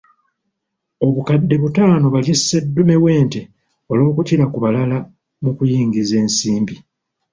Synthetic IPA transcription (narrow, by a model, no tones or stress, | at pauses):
o̞βukadːe̞βutaːno̞βaljesːedːume̞we̞ːnte̞ | o̞lo̞ːkuciɾakuβalala | mukujiːŋɡize̞ːnsiːmbi